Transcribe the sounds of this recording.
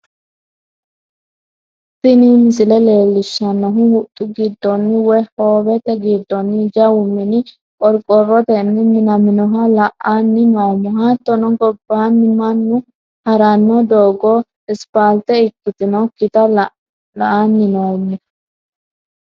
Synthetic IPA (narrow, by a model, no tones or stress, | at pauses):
sɪnimɪsɪlɛle̞ːlːɪʃːɐnːɔɦʊhʊt̪ʼːʊɡɪd̪ːɔnːɪwɔjhoːbɛt̪ɛɡiːd̪ːɔnːɪd͡ʒɐwʊmːɪnɪ | kʼɔɾkʼːɔrːɔt̪ɛnːɪmɪnɐmɪnɔɦɐlɐʔanːɪnoːmːɛhaːt̪ːɔnɔɡʼɔbːaːnːɪmɐnːʊ | hɐɾanːɔd̪oːɡɔ | ɪspaːlt̪ɛɪkːʊt̪ɪnɔkːɪt̪ɐ | lɐʔanːɪnoːmːɛ